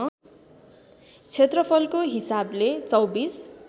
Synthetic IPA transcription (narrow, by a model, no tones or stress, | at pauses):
t͡sʰet̪rʌpʰʌlkoɦisablet͡sʌwbis